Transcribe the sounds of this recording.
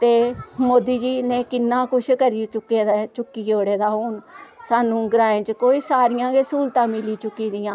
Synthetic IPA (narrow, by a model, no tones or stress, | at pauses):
t̪eːmoːd̪iːd͡ʒiːnẽːkɪnːãːkʊt͡ʃʰkəɾiːt͡ʃʊkːeːd̪aːt͡ʃʊkːiːoːɽeːd̪aːɦoːɳsaːnũːɡɾaːẽːt͡ʃkoːiːsaːɾɪjãːɡeːsuːlt̪ãːmɪliːt͡ʃʊkːiːd̪ɪjãː